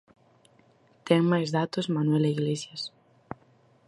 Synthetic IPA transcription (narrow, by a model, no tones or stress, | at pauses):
t̪eŋmajzðat̪ozmanwelaiɣlesjas